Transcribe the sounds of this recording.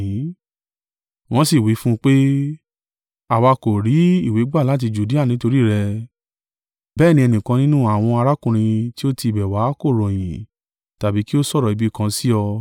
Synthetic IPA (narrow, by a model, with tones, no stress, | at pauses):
ĩ˨˦ | w̃ɔ̃˦si˦˨wi˨˦fũ˦k͡pe˦ | a˨wa˧ko˨ɾi˨˦i˦˨we˨˦ɡ͡ba˦˨la˨˦t̬i˧d͡ʒu˨di˦a˦˨nĩ˨˦to˧ɾi˦˨ɾɛ˧ | bɛː˦˨nĩ˧ɛ˧nĩ˨kã˧nĩ˦nũ˦a˦˨w̃ɔ̃˧a˧ɾa˦kũ˦˧ɾ̃ĩ˧ti˦o˦ti˧i˨bɛ˨wa˨˦ko˦˨ɾɔ̃˨j̃ĩ˨ | ta˨bi˨˦ki˦o˦sɔ˦˨ɾɔ˨i˨˧bi˦kã˧si˦ɔ˧